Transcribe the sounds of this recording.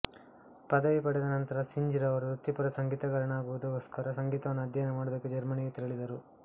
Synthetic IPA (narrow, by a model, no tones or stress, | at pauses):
pɐd̪ɐʋipɐɽɛd̪ɐnɐnt̪ɐɾɐsiɲd͡ʒiɾɐʋɐɾuɾut̪ːipɐɾɐsɐŋɡiːt̪ɐɡɐɾɐnaːɡuʋud̪uɦɔskɐɾɐsɐŋɡiːt̪ɐʋɐnːuɐd̪ʱjɐjnɐmaːɽud̪ɐkːed͡ʒɐɾmɐniɡet̪iɾɐɭid̪ɐɾu